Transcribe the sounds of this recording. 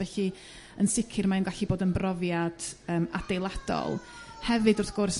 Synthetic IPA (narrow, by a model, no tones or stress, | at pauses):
vɛɬi | ənsɪkʰɪrmaɪnɡaɬiboːdənbrɔvjad̥əːmad̥ejlˠad̥ɔ̰lˠ | hɛvɨdʊrθɡ̥ʊrs